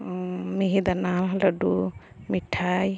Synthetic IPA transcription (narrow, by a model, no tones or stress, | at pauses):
miɦid̪anaɦladu | miʈʰaj